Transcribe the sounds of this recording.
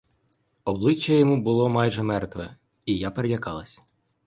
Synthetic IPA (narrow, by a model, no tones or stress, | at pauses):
ɔblˠɪt͡ʃːɐjɔmubʊlˠɔmɑjʒɛmɛrt̪ʋɛ | ijapeɾelʲɐkɑlˠɐsʲ